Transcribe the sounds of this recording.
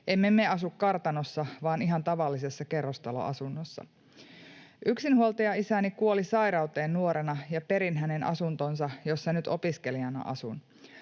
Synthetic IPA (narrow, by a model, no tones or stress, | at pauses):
ʔemːemːeɑsukkɑrt̪ɑnosːɑʋɑːniɦɑnt̪ɑʋɑlːise̞sːɑke̞rːost̪ɑlo̰ʔɑ̰sunːosːɑ̰ | ʔyksinhuolt̪ɑjɑisænikuolisɑjɾɑwt̪e̞ːnːuoɾenɑjɑpe̞ɾinɦæne̞nɑ̰sunt̪onsɑjo̞sːenyt̪o̞piske̞liɑnɑ̰ʔɑ̰sun